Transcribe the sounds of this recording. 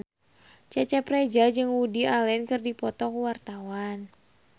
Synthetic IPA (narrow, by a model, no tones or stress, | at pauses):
t͡ʃat͡ʃapɾed͡ʒad͡ʒɨŋudialɛnkɨrdipɔt̪ɔkwart̪awan